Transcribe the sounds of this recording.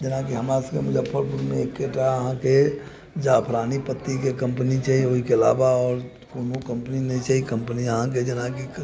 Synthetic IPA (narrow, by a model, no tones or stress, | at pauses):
d͡ʒɪnãkiɦəmɾasə̃kemʊd͡ʒəbpʰəɾbuɾmẽekːeʈaəɦãke | d͡ʒapʰɾanipət̪ːikekə̃mpnit͡ʃaioɦikeəla̰ːbaɔːɾ | punukə̃mpəninɛt͡ʃaikəmpəniəɦãked͡ʒɪnãki